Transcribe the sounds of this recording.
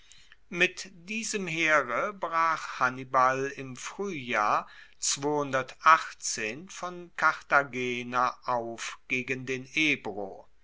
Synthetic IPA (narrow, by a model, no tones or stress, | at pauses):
mɪtd̥iːzəmheːʁəbʁaːχhanibalɪmfʁ̥yːjaːɐ | t͡sv̥oːhʊndɐtʔaχt͡seːnfɔnkʰaʁtaɡeːnaʔaʊfɡ̥eːɡəndeːneːbʁo